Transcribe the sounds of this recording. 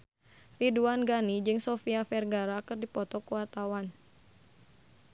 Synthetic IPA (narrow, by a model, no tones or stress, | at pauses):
riduanɡanid͡ʒɨŋsɔfiafɛrɡaɾakɨrdipɔt̪ɔkuwart̪awan